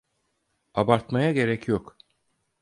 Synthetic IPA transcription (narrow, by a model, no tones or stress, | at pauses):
abaɾt̪majaɟe̞ɾɛcjok